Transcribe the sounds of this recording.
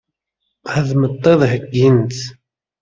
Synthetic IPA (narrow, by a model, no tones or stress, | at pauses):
hæðmət̪ˤːeðˤɦəɡːint̪